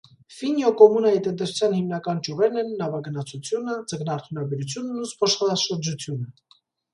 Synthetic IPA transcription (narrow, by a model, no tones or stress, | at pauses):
finjɔkɔmunɑit̪ənt̪ɛsʰu̥t͡sʰjɑnhimnɑkɑnt͡ʃuvɛɾnɛnnɑvɑɡənɑt͡sʰut͡sʰjunəd͡zəɡnɑɾt̪ʰunɑbɛɾut͡sʰjunnuspʰɔʃχɑʃəɾd͡ʒut͡sʰjunə